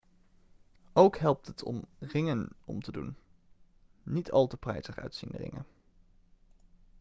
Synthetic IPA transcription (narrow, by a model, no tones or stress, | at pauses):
owkɦɛlˠp̚tɦətʰɔ̰mrɪŋənɔ̰mtədṵn | itʰɑlˠtəprɛjsəχœ̰ɥtsinrɪ̰ŋə̰n